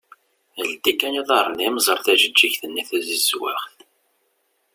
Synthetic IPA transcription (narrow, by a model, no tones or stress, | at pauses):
əld̪ikːæniðˤɑɾˤnimzˤəɾˤθæʒəd͡ʒːiçθənːiθæzizwæ̰χθ